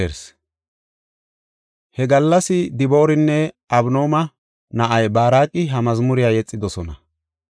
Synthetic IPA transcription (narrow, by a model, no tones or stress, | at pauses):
eɾs | hɛɡɐlːɐsɪd̪ɪbo̞ːɾɪnːɛʔɐbno̞ːmɐ | nɐʔɐjbaːɾaːkʼːɪɦɐmɐzmʊɾɪjaːjɛt͡sʼːɪd̪ɔsɔnɐ